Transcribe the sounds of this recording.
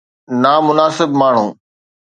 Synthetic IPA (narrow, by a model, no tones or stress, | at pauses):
naːmʊnaːsɪbmaːɳ̤ṵ̃ː